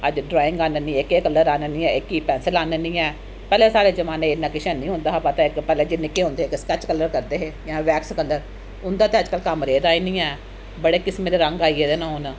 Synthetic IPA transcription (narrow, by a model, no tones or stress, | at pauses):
əd͡ʒɖɾaːɪ̃ŋɡaːnənĩːekeːkəlːəɾaːnənĩːɛːɪkːiːpɛːnsəlaːnənĩːɛː | pɛːleːsaːɾeːzəmaːnẽːɪnːãːkɪʃɛ̃ːnĩːɦʊ̃nd̪aːɦapət̪aːɪkpɛːleːd͡ʒiːnɪkːeːɦʊ̃nd̪eːkskɛːt͡ʃkəlːəɾkəɾd̪eːɦeːjãːʋɛːkskəlːəɾ | ʊnd̪aːt̪eːəd͡ʒkəlkəmɾeːd̪aːiːnĩːɛː | bəɽeːkɪsmẽːd̪eːɾə̃ŋɡaːieːd̪eːnãːʊn